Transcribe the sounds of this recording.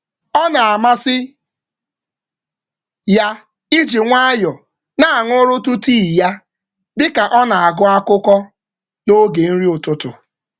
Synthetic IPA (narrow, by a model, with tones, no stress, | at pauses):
ɔ˦na˨a˨ma˦sɪ˦ | ja˦ | i˦d͡ʒi˨ŋʷa˦jɔ˨ | na˦a˨ŋʊ˦ɾʊ˦tʊ˦tiː˦˨ja˦ | dɪ˦ka˨ʔɔ˦na˨a˨ɡʊ˦a˦kʊ˦kɔ˦ | no˦ɡe˨n̩˦ɾi˦ʊ˨tʊ˦tʊ˨